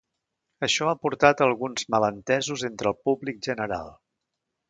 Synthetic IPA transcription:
əʃɔapuɾt̪at̪əlˠɣunzmələnt̪ɛzuzent̪ɾəlˠpublik̚ʒənəɾa̰lˠ

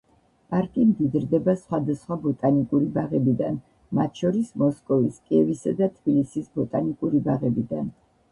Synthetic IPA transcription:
pʼaɾkʼimd̪id̪ɾd̪ɛbasχwad̪asχwabɔt̪ʼanikʼuɾibaʁɛbid̪a̰n | mat̪ʰʃɔɾismɔskʼɔviskʼiɛvisad̪at̪ʰb̥ilisisbɔt̪ʼanikʼuɾibaʁɛbid̪a̰n

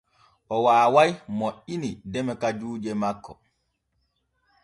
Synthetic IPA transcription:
ʔɔwaːwajmoʔinidɛmɛkad͡ʒuːd͡ʒɛmakːɔ

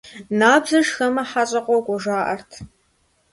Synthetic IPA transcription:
naːbzɐʂxɐmɐħaɕʼɐqʷɔɡʷɔʒaːʔɐrtʰ

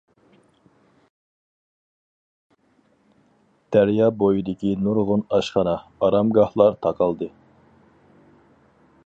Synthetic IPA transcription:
t̪ʰæɾjɑbojid̪ɪkʲinuɾʁʊnɑʃχɑnɑɑɾɑmɡɑhlˠɑɾt̪ʰɑqʰɑlˠd̪ɨ

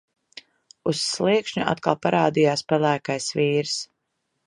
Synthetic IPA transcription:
usːlˠiɛkʃɲuʔa̰t̪̚kalˠpaɾaːd̪ijaːspɛlˠæːkajsviːɾs

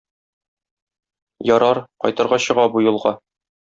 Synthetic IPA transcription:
jɒɾɑɾqɒ̰jt̪ɤ̆ɾʁɑɕɤ̆ʁɑbujŭlˠʁɑ

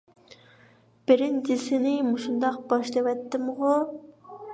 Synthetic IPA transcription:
b̥ɪɾɪnd͡ʒɪsɪnɪmuʃund̪ɑq̚b̥ɑʃlˠɨwɛt̪ʰːɪmʁʊ

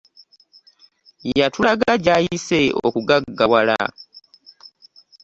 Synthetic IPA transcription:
jatulaɡaɟajiseo̰kuɡaɡːawala̰

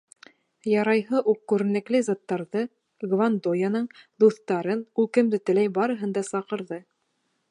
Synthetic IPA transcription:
jɑɾɑjɦɤʔuqːʉɾɘ̆nɘ̆klɘzɑt̪ːɑɾðɤ | ɡvand̪ojɑnɤɴd̪uθt̪ɑɾɤnulˠkɘ̆md̪ɘt̪ɘ̆læjbɑɾɤ̆ɦɤnd̪ɑsɑqɤ̆ɾðɤ

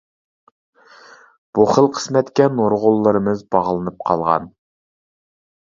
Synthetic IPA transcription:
b̥uχəlˠqʰə̥smɛt̪kʲɛnoɾʁʊlˠːɨɾɨmɨzbɑʁlˠɨnɨp̚qʰɑ̰lˠʁɑ̰n

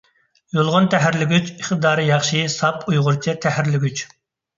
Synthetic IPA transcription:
jolˠʁʊnt̪ʰæɦæɾlɪɡʲyt͡ʃiχt̪ɨd̪ɑːɾɨjɑχʃisɑpʰujʁʊɾt͡ʃʰɛt̪ʰɛhæɾlɪɡʲyt͡ʃ

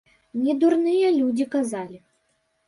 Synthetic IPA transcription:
nʲɛd̪urnɨjɐlʲud͡zʲikazalʲi

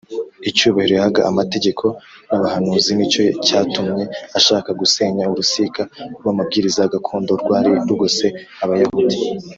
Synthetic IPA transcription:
it͡ʃuːβaheɾojhaɡaʔamate̞ɟe̞kʰo̞naβahanuːzinit͡ʃo̞caːtumɲe̞aʃaːkaɡuse̞ɲauɾusikaɾwamabɡiːɾizaɡakʰoːndo̞ɾɡwaːɾiɾuɡose | aβajahuti

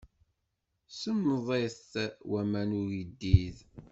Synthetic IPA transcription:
səmːəðˤeθwæmænʊɾid̪ːið

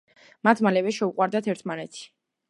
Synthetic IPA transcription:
mat̪ʰmalɛvɛʃɛuqʼwaɾd̪at̪ʰɛɾt̪ʰmanɛt̪ʰi̥

